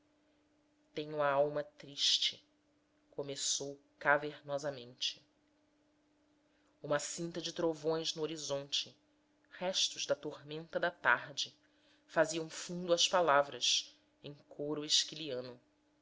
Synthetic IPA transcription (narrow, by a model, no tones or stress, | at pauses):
t̪ẽɲʊɐawmɐt̪ɾiʃt͡ʃɪ | komesowkaveɾnɔzɐmẽnt͡ʃɪ̥ | ũmɐsĩnt̪ɐd͡ʒɪt̪ɾovõj̃znʊoɾizõnt͡ʃɪ | hɛʃt̪ʊʒd̪ɐt̪oɾmẽnt̪ɐd̪ɐt̪a̰ɾd͡ʒɪ | faziɐ̃w̃fũnd̪ʊɐʃpalavɾɐʃ | ẽjŋ̃kʰoɾʊeʃkiliɐ̃nʊ